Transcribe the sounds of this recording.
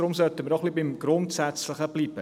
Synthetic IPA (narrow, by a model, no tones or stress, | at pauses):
ɾʊmsœltəməɾɔχlibɪmɡɾʊntsæt͡sləχəb̥liːb̥ə